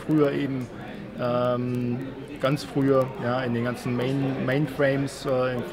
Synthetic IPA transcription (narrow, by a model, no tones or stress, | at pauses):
fʁ̥yːɐʔeːbm̩ | ʔɛːm | ɡ̥ant͡sfʁ̥yːɐjaːɪndeːnɡ̥ant͡sn̩meɪnmeɪnfʁ̥eɪmsʔɛːɪmf